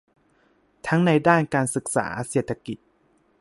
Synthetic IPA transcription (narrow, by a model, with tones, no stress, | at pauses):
t̪ʰa˦˥ŋna˧jdaː˥˩nkaː˧nsɯ˨˩k̚sa̰ː˩˦se˨˩t̪ʰːa˧ki˨˩t̪̚